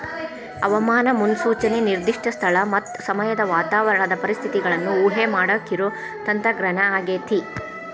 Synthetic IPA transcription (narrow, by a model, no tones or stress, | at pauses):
ɐʋɐmaːnɐmunsuːt͡ʃɐne̞niɾd̪iʂʈʰɐst̪ʰɐɭɐmɐt̪ːsɐmɐjɐd̪ɐʋaːt̪aːʋɐɾɐd̪ɐpɐɾist̪ʰit̪iɡɐɭɐnːuːɦemaːɽɐkːiɾoː | t̪ɐnt̪ɾɐɡɾɐnɐaːɡeːt̪ʰi